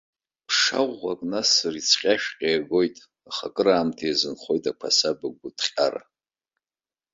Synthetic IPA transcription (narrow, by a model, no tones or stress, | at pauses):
pʰʂa̰ʁʷːakʼnasarit͡sʰqʲʼaʃᶣqʲʼeːɡo̞jtʼ | aχakʼɨɾaːmtʰajzɨnχʷo̞jtʼakʷʰasabaɡʷʊtʰʼχʲʼara̰